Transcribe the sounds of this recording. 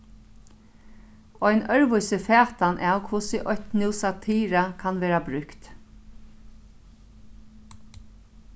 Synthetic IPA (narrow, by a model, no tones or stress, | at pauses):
ɔjnœɹʋʊjsɪfɛːt̪anʔɛːwkʰvʊsɪʔɔçt̪nɪwsat̪ʰiːɾakʰanʋeːɾabɾʏkt̪